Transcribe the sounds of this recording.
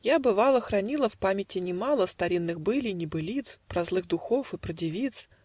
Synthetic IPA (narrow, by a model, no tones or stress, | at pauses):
jabɨvalˠəxɾɐnʲilˠəfpamʲɪtʲɪnʲɪmalˠəst̪ɐɾʲinːɨxbɨlʲinʲɪbɨlʲit̪spɾɐzlˠɨɣd̪ʊxofɨpɾədʲɪvʲit̪s